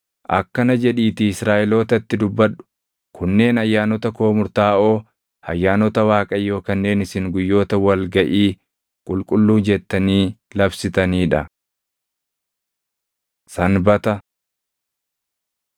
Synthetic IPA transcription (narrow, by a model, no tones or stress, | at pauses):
ʔɐ̰kːɐnɐd͡ʒɛᶑiːt̪ɪɪsɾaːʔɛlo̞ːt̪ɐt̪ːɪd̪ʊbːɐᶑʊ̥ | kʰʊnːe̞ːnɐjːaːnɔt̪ɐko̞ːmʊɾt̪aːʔo̞ː | ɐjːaːnɔt̪ɐwaːkʼɐjːo̞ːkɐnːe̞ːnɪsɪŋɡʊjːo̞ːt̪ɐwɐlɡɐʔiː | kʼʊlkʼʊlːuːd͡ʒɛt̪ːɐniːlɐbsɪt̪ɐniːᶑɐ̰ | sɐnbɐt̪ɐ